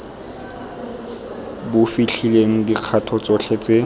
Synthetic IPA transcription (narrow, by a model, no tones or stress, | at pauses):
bʊfiɬʰileŋ̩diq͡χʰatʰɔt͡sɔɬʰɛt͡se